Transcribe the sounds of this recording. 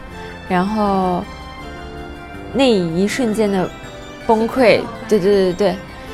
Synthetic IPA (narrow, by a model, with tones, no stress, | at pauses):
ɻa˧˥nxo˥˧ʊ | ne˥˩ɪi˧˥ʂwə˥˧nt͡ɕjɛ˥nd̪ə˩ | fo˥ŋkʰwe˥˩ɪt̪we˥˧ɪt̪we˥˧t̪e˥˧t̪we˥˩ɪ